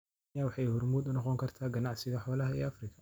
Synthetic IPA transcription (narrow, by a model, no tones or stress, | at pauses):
awɑħɑjhʊrmuːd̪ʊnɔqɔŋkʰɐrt̪ʰaːɡɐnaʕsɪɣɐħɔːlɐɦɐɛːʔafrɪkʰɐ̥